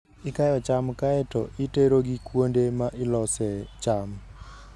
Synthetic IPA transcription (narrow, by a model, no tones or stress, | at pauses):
ɪkajɔt͡ʃamkaɛtɔʔɪteɾoɡikwondemaʔɪlɔsɛt͡ʃam